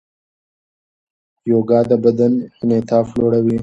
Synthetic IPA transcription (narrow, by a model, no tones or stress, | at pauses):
joːɡɑːd̪abɐd̪ənhɪnet̪ʰɑːfloːɽawi